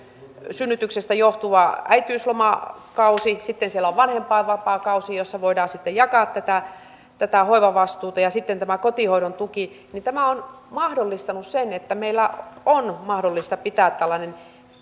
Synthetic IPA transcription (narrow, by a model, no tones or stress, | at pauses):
synːyt̪yksest̪æjoht̪uʋɑæit̪yːslomɑkɑusisit̪ːensielæoʋʋɑnhempɑiʋɑpɑːkɑusijosːɑʋoidɑːsit̪ːejɑkɑːˑt̪t̪æt̪æ | t̪æt̪æhoiʋɑʋɑst̪uːt̪ɑjɑsit̪ːent̪æmækot̪ihoiɾont̪uki | nint̪æmæon | mɑhdolːist̪ɑnussenet̪ːæmeilːæonmɑhdolːist̪ɑpit̪æːt̪t̪ælːɑnen